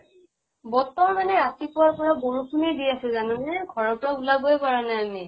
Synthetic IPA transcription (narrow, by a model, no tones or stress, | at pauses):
bɔtːɔɹmanɛɹatipʊwaɹpɔɹaboɹukʰunidiasɛzanɛnɛɡʱɔɹɔɹpʊɹaulabojpaɹanaami